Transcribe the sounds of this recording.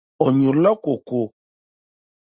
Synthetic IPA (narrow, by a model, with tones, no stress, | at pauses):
ɔ˨ɲũ˨ɾlə˦ko˨ko˨